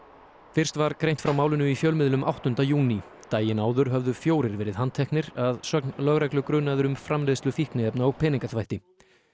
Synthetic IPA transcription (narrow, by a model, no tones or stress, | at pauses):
fɪr̥st̪vaɾkɾejnt̪fɾawmaːwlɪnʏifjœlmɪðlʏmʔa̰wht̪ʏnt̪ajuːni | t̪aːjɪnaːwðʏɾ̥ɦœvðʏfjoːwɾɪɾvɛːɾɪðɦant̪ʰɛhknɪɾaðsœknlœɣɾɛklʏkɾʏːnaðʏɾʏmfɾamlɪːðst̪lʏfihknɪɛpnaapʰɛːniŋkaθvajht̪ɪ